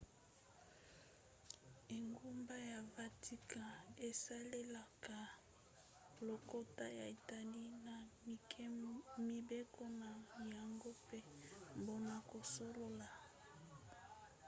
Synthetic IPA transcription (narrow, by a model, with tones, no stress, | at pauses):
e˨ŋɡu˦mba˦ja˨va˨tʰi˦ka˨e˨sa˦le˦la˨ka˨ | lo˨ko˦ta˦ja˨e˨ta˨li˦na˨ | mi˨be˦ko˦na˨ja˨ŋɡo˦pe˦mbo˨na˨ko˨so˦lo˦la˨